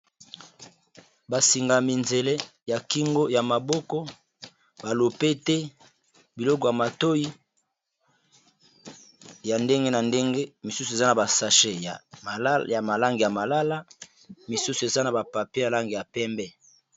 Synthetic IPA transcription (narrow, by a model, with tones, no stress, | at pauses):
ba˨si˨ŋɡa˨mi˨nze˨lɛ˦ja˨ki˦ŋɡo˦ja˨ma˨bɔ˦kɔ˦ | ba˨lo˨pe˦tɛ˦ | bi˨lɔ˦kɔ˨ja˨ma˨to˦ji˦ | ja˨nde˦ŋɡe˦na˨nde˦ŋɡe˦mi˨su˦su˨e˨za˦na˨ba˨sa˨ʃe˦ja˨˦ja˨ma˨la˦ŋɡi˨ja˨ma˨la˦la˦ | mi˨su˦su˨e˨za˦na˨ba˨pa˨pe˦ja˨la˦ŋɡi˨ja˨pɛ˦mbɛ˦